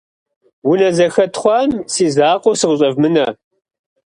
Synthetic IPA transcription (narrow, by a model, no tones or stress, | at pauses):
wʊnɐzɐxɐtχʷɑːmsiːzaːqosɨʁʊɕʼɐvmɨnɐ